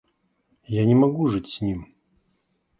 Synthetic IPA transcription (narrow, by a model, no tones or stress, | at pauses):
janʲɪmaɡuʐɨtʲsʲnʲim